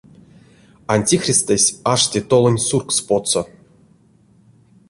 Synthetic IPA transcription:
anʲtʲixrʲist̪esʲaʂtʲet̪olˠonʲsurkspot̪so

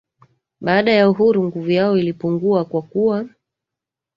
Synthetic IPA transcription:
ɓaːɗajauɦuɾuŋɡuvujaɔilipuŋɡuakwakuwa

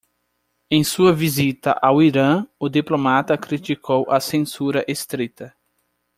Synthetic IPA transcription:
ẽj̃suɐvizit̪ɐ̰ʔawiɾɐ̃ʊd̪iplomat̪ɐkɾit̪ikʰowʔɐsẽsuɾɐʔest̪ɾit̪ɐ

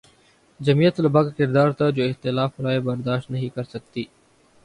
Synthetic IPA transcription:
d͡ʒɐmijət̪lɐbaɡkɪɾd̪aːɾt̪ad͡ʒoːɪxt̪ɪlaːfɾaːebɐɾd̪aːʃt̪nɐɦĩkɐɾsɐk̚t̪iː

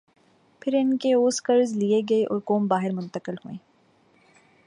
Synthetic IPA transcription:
pʰɪɾɪnkeoːskəɾzlieɡɐeʔɔ̰ːɾkoːmbaːɦɪɾmʊ̃nt̪əkɪlɦuẽː

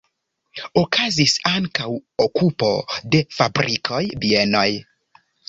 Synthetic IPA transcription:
okʰazisaŋkawokupo̞de̞fabɾʔikʰojbieno̞j

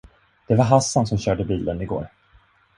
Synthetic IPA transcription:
d̪̥ɛvaɾɦasːansɔmɕœːɖəbiːlənɪɡo̰ːɾ

